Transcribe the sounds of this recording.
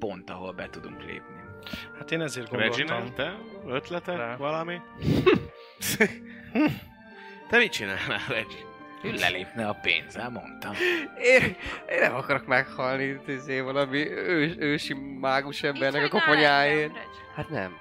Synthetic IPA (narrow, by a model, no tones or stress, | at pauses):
po̞nt̪ɒɦo̞lbɛt̪ud̪ṵŋklḛːpni | hat̪eːnɛzeːrɡomɛt͡ʃinːlt̪ɛøt̪lɛt̪ɛʋɒlɒmi | t̪ɛmit͡ʃinaːlnaːlvɛd͡ʒi | ylɛ̰leːpnɛɒpḛːnzɛlmo̞̰nt̪ɒmeːeːnːɛmɒkɒɾo̞kmɛkhɒlnit̪izeːvɒlɒmiøːøːʃimːaːɡuʃɛmbɛrnɛkɒko̞po̞ɲaːjeːn | hat̪nɛ̰m